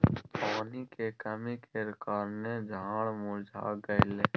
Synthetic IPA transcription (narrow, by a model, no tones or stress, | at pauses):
paːnikekəmikʰeɾɪkaːɾned͡ʒʱãːɽmʊd͡ʒʱa̰ːɡəɪleː